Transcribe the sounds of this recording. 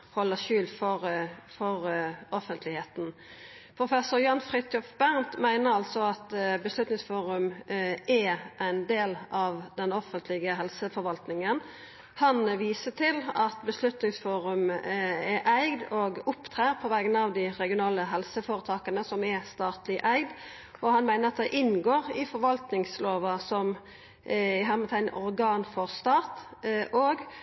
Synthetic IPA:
hɔlːəʃʉːlfɔɾfɔɾɔfənt̪ʰlɪheːt̪n̩ | pʰʁʊfɛsʊɾjɑnfʁɪt̪ɔfbæʁnt̪mæɪnəɾɑlt̪sɔɑt̪bəslʉt̪nɪŋsfuːɾʉmɛʔæɪnd̪eːlɑʋd̪ɛnɔfənt̪lɪɡəɦɛlsəfɔɾʋɑlt̪nɪŋən | hɑnʋiːsət̪ʰɪlɑt̪bəslʉt̪nɪŋsfuːɾʉmɛʔæɪɡd̪ɔɡʊpːt̪ʰʁæːʁpʰɔʋæːɡənɑʋd̪ɪʁɛɡɪʊnɑːləɦɛlsəfoːɾət̪ʰɑːkənəsɔmɛst̪ɑːt̪lɪʔæɪɡd̪ | ʔɔhɑnmæɪnəʁɑt̪̚d̪ɛʔɪnɡoːʁɪfɔɾʋɑlt̪nɪŋsloːʋɑsɔm | ɪɦæmət̪ʰæɪnʔɔɾɡɑːnfɔʁst̪ɑːt̪ʔoːɡ

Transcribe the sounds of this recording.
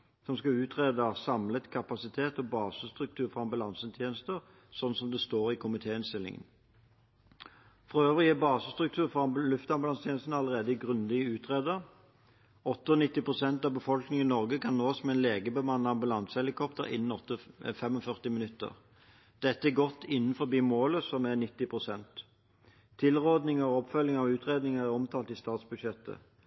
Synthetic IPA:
sɔmskɑʉːt̪ʰʁeːd̪əsɑmlət̪kʰɑpɑsɪt̪ʰeːt̪ɔbɑːsəst̪ʁʉk̚t̪ʰʉːʁfɔɑmbɑlɑnsət̪ʰjeːnəst̪əʁ | sɔnn̩sɔmd̪ɛst̪oːʁɪkʰʊmɪt̪ʰeːɪnst̪ɪlːɪ̰ŋə̰n | fʁɑøːʋəʁjeːbɑːsəst̪ʁʉkt̪ʰʉːʁfɔɑlʉft̪ɑmbɑlɑnst̪ʰjeːnəst̪nɑləʁeːd̪əɪɡʁʉnlɪəʉːt̪ʰʁeːd̪əʁ | ɔt̪ːəɔːnɪt̪ːɪpʁʊsɛnt̪ɑːʋbəfɔlknɪŋɪnɔʁɡəkʰɑnnoːsmɛnleːɡəbəmɑnːəɑmbʉlɑnsəhɛlɪkʰɔpt̪əʁɪ̰nːən̩ɔt̪ːəfɛmɔfœʁt̪ɪmɪnʉt̪ːə̰ʁ | d̪̥ɛt̪ːəæɡɔt̪ːɪnːən̩fɔbiːmoːləsɔmæʁnɪt̪ːɪpʰʁʊsɛnt̪ʰː | ɪlʁoːd̪nɪŋəʁɔɔpfœlːɪŋɑɔʉːt̪ʰʁeːd̪nɪŋəʁæʁɔmt̪ʰɑːlt̪ɪːst̪ɑːt̪sbʉd̪ʃɛt̪ːə̰

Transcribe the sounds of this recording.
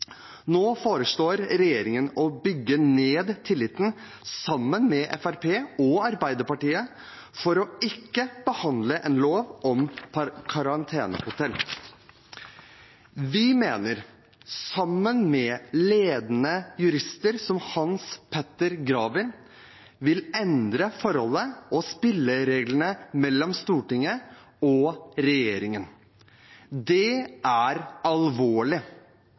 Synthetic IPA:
noːfoːɾəʂɭoːɾɾɛjeːɾɪŋənɔbʏɡːəneːd̪t̪ʰɪlːɪt̪ːn̩ | sɑmːənmɛʔɛ̰fæɾpʰeːɔɑɾbæɪd̪əpɑʈiːə | fɔɾɔɪkːəb̥əhɑnd̪ləʔɛnloːʋʔɔmkʰɑɾɑnt̪ʰeːnə̰hʊt̪ʰɛlː | ʋɪmeːnəɾ | sɑmːənmɛleːd̪ənəjʉɾɪst̪əɾsɔmhɑnspʰɛt̪ːəɾɡɾɑːʋɪn | ʋɪlɛnd̪ɾəfɔɾhɔlːəʔɔspɪlːəɾeːɡlənəmɛlːɔmst̪uːʈɪŋə | ɔɾɛjeːɾɪŋən | d̪ɛæɾɑlʋoːɭɪ

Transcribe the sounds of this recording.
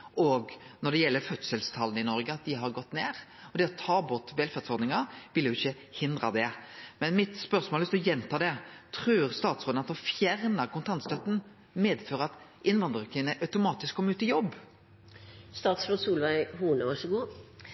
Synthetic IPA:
ʔɔɡnɔʁɖ̪ɛjɛlːəɾfœt̪səlst̪ʰɑlənɪnɔɾɡəɑt̪̚d̪ɪɦɑɾɡɔt̪ːneːʁɔd̪ɛːɔt̪ʰɑːbʊɾt̪ʋɛlfæʁt̪sɔɾd̪nɪŋɑʋɪljʊɪçːə | hɪnd̪ʁɑd̪ɛmɛnmɪt̪spœʁsmoːlʉst̪ɔjɛnt̪ʰɑːd̪ɛt̪ʰɾʉːɾst̪ɑːt̪sɾoːd̪ənɑt̪d̪ʊnfjæʁnəkʊnt̪ʰɑnt̪st̪œt̪ːn̩ | meːd̪føːɾəɑt̪ | ɪnʋɑnd̪ɾəkʰɪnəʔɑʉt̪ʊmɑːt̪ɪskʰːɔmːəʉːt̪ɪjɔbː | st̪ɑːt̪sɾoːsuːlʋæɪhuːnəʋɑʂəɡuː

